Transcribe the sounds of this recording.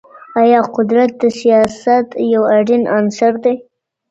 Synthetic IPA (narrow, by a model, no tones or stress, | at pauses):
ɑjɑqʊd̪ɾat̪̚d̪əsijɑsat̪jawaɖinɑnsaɾd̪e